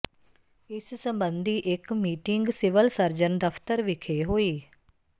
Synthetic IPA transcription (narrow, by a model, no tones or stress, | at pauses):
ɪssəmbənd̪iːʔɪkmiːʈɪŋɡsɪʋəlsəɾd͡ʒənd̪əpʰt̪əɾʋɪkʰeːɦoːiː